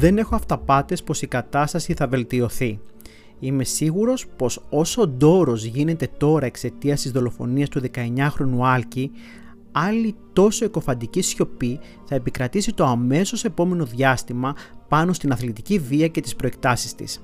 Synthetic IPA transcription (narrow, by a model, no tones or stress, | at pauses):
ðe̞ne̞xo̞ɐft̪ɐpɐt̪e̞spo̞sikɐt̪ɐst̪ɐsiθɐve̞lt̪io̞θi | ime̞siɣuɾo̞spo̞so̞sod̪o̞ɾo̞zʝine̞t̪e̞t̪o̞ɾɐe̞kse̞t̪iɐst̪izðo̞lo̞fo̞̰niɐst̪uðe̞kɐe̞ɲɐxɾo̞nuɐlci | ɐlit̪o̞so̞iko̞fɐnd̪icisço̞pi | θɐe̞pikɾɐt̪isit̪o̞ɐme̞so̞se̞po̞me̞no̞ðʝɐst̪imɐpɐno̞st̪inɐθlit̪iciviɐce̞t̪ispɾo̞e̞k̚t̪ɐsi̥st̪ḭs